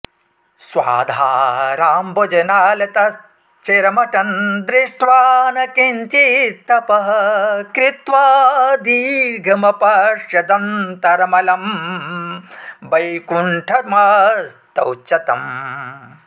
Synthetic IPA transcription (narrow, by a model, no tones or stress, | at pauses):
sʋa̰ːd̪ʱaːɾaːmbod͡ʒɐnaːlɐt̪ɐs | t͡ʃeɾɐmɐʈɐnd̪ɾiʂʈʋaːnɐkent͡ʃit̪ːɐpɐɦɐkɾit̪ʋaːd̪iɡʱɐmɐpɐʂjɐd̪ɐnt̪ɐɾɐmɐlɐm | bɐjkuɳʈʰɐmɐst̪ɐwt͡ʃɐt̪ɐm